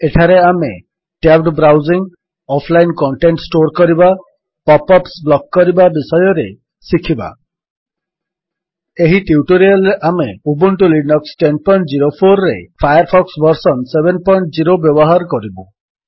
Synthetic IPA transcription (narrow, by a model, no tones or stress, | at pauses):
eʈʰaɾeame | ʈabɖbɾawziŋ | ɔpʰlajnkɔɳʈeɳʈsʈoɾkɔɾiba | pɔpɔpsblɔkːɔɾibabisɔjɔɾe | sikʰiba̰ | eɦiʈiuʈoɾialːeʔameubuɳʈulinɔksʈenpɔjɳʈd͡ʒiɾopʰoɾːepʰajaɾpʰɔksbɔɾsɔnsebenpɔjɳʈd͡ʒiɾobjɔbɔɦaɾɔkɔɾibu